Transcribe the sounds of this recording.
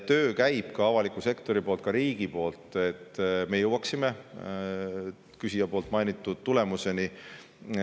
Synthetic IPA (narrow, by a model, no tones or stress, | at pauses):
t̪øːkæjb̥kɑɑvɑlikˑuse̞kt̪o̞ɾipo̞ːlt̪̚kɑɾiːɡ̥ipo̞ːlt̪ˑe̞t̪ːˑme̞jɤwɑksime | kysijɑpoːlt̪ˑmɑjnit̪ːˑud̪̥t̪ule̞muse̞ni